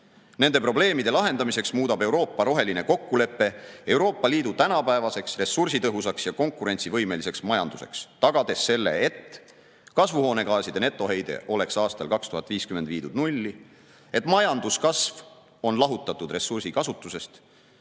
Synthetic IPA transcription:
ne̞nd̪e̞pro̞ble̞ːmid̪̥e̞lɑɦe̞nd̪ɑmise̞ksmuːd̪̥ɑbe̞wɾo̞ːpːɑɾo̞ɦe̞line̞ko̞kːule̞pːe̞e̞wɾo̞ːpˑːɑliːd̪ut̪ænɑpæevɑse̞ksre̞sursit̪ɤɦusɑksjɑko̞ŋkːuɾe̞nʲsivɤ̞jme̞lise̞ksmɑjɑ̰nd̪̥use̞̰kst̪ɑɡ̥ɑd̪e̞sːe̞lːe̞̰et̪ː | kɑsvuho̞ːne̞ɡɑːsid̪̥e̞ne̞t̪ːˑo̞ɦe̞jd̪̥e̞̰ʔo̞le̞ksɑːst̪ɑlkɑkst̪uhɑt̪ːˑviːskymed̪̥viːd̪ud̪nulʲːi | e̞t̪ːˑmɑjɑnd̪uskɑsv | o̞nlɑɦut̪ːˑɑt̪ːˑud̪re̞sursikɑsut̪ːˑuse̞st̪

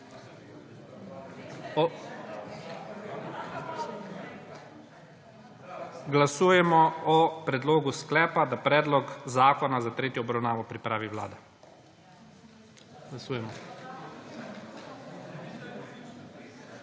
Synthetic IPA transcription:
ɡlasuːjɛmɔɔpɾɛd̪loːɡusklɛːpad̪apɾɛːd̪lɔkzaːkɔnazat̪ɾeːt̪jɔːbɾawnaːʋɔpɾipɾaːʋiwla̰ːd̪a | ɡlasuːjɛmɔ

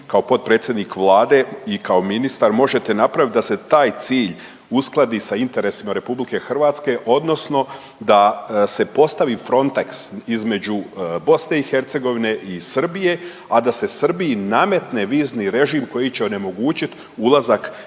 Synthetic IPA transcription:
kao̞po̞t̪̚pɾe̞ːt̪sjed̪nikʋlˠaːd̪e̞ikao̞minist̪aɾmo̞ʒe̞t̪e̞napɾaʋit̪̚d̪ase̞t̪aːjt̪siːʎ | usklˠad̪isaint̪e̞ɾe̞simaɾe̞publike̞xr̩ʋaːt̪ske̞ʔo̞d̪no̞sno̞ | d̪ase̞po̞st̪aʋifɾo̞nt̪aksizme̞d͡ʑubo̞sne̞ixe̞ɾt̪se̞ɡo̞ʋine̞ʔisr̩bije̞ | ad̪ase̞sr̩bijiname̞t̪neʋiːzniɾe̞ʒimko̞jit͡ɕeo̞ne̞mo̞ɡuːt͡ɕit̪ | ulˠazak

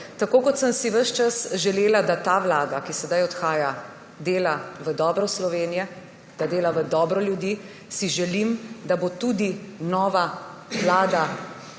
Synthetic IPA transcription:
t̪akoːkɔt̪səmsiʋəʃt͡ʃasʒɛleːlad̪at̪aːʋlaːd̪akisɛd̪ajɔt̪xaːja | d̪eːlaʋəd̪ɔːbɾɔslɔʋeːnijɛ | d̪̥ad̪eːlaʋəd̪ɔːbɾɔljud̪i | siʒɛlimd̪abot̪ud̪inɔːʋa | ʋlaːd̪a

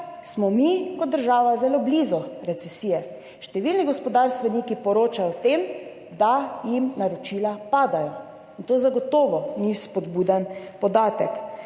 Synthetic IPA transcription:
smɔmikɔd̪̚d̪ːəɾʒaːʋazɛloblizɔɾɛt̪sɛsiːjɛ | ʃt̪ɛʋilniɡɔspɔd̪aɾst̪ʋɛniːkipɔɾoːt͡ʃajɔt̪em | d̪ajimnaɾɔt͡ʃilapaːd̪ajɔ | int̪oːzaɡɔt̪ɔːʋɔnispɔd̪buːd̪anpɔd̪aːt̪ɛk

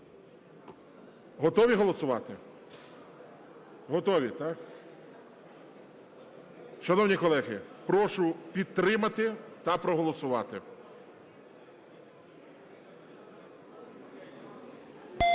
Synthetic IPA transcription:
ɦɔt̪ɔʋʲiɦɔlˠɔsʊʋɑ̰t̪ɪ | ɦɔt̪ɔʋʲit̪ɑk | ʃɐnɔwnʲikɔlˠɛɦɪ̰pɾɔʃʊpʲid̪̚t̪ːɾɪmɐt̪ɪt̪ɐpɾɔɦɔlˠɔsʊʋɑt̪ɪ

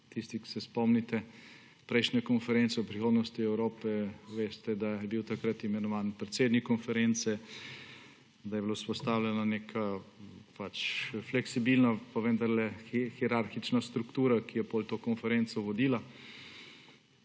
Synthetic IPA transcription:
t̪ist̪iksɛspɔmnit̪ɛ | pɾɛjʃnʲɛkɔnfɛɾent̪sɛwpɾixoːd̪nɔst̪iɛwɾoːpɛʋest̪ɛd̪ajɛbiwt̪akɾat̪imɛnɔʋaːnpɾɛt̪seːd̪nikːɔnfɛɾent̪sɛ | d̪ajɛblospɔst̪awlʲjɛnanekʰapat͡ʃflɛksibilnapaʋənd̪aɾlɛxiɾaɾxit͡ʃnast̪ɾukt̪uːɾakijɛpolt̪oːkɔnfɛɾent̪sɔʋɔd̪iːla

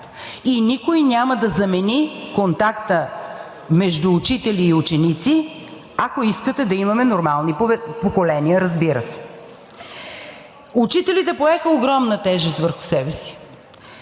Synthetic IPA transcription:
inikojnʲaməd̪ɐzɐmɛnikont̪akt̪ə | mɛʒd̪uːt͡ʃit̪ɛliːut͡ʃɛnit̪si | ɐkoiskət̪ɛd̪ɐimɐmɛnoɾmalˠnipokolɛniəɾɐzbiɾəsɛ̥ | ut͡ʃit̪ɛlit̪ɛpoɛxəoɡɾɔmnət̪ɛʒɛst̪vəɾxʊ̥sɛbɛsi̥

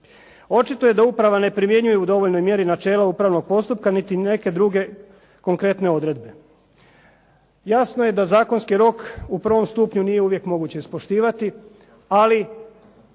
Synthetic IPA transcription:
o̞t͡ʃit̪oje̞d̪auːpɾaʋane̞pɾimje̞ɲujeud̪o̞ʋo̞ʎnojmje̞ɾinat͡ʃe̞ːlaupɾaʋno̞ɡ̚po̞st̪upkanit̪ine̞ke̞d̪ɾuɡe̞ | ko̞ŋkɾe̞t̪ne̞o̞d̪ɾe̞d̪be̞ | jasnoje̞d̪azaːko̞nskiɾo̞kupɾr̩ʋo̞mst̪uːpɲunije̞uʋje̞kmo̞ɡuːt͡ɕe̞ispo̞ʃt̪iːʋat̪i | ali

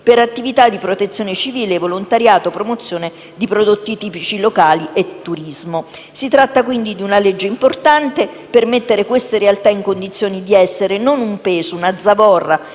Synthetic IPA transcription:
peɾat̪ːivit̪ad̪ipɾot̪et̪sːjoːnet͡ʃiviːleːvːolont̪aɾjaːt̪opɾomot̪sːjoːne | d̪ipɾod̪ot̪ːit̪iːpit͡ʃilokaːliʔet̪ːuɾizmo | sit̪ɾat̪ːakwind̪id̪iunaled͡ʒːeimport̪ant̪e | permet̪ːeɾekwest̪eɾealt̪aiŋkond̪it̪sːjoːnid̪iɛsːeɾenonumpeːzounad̪zːavɔrːa

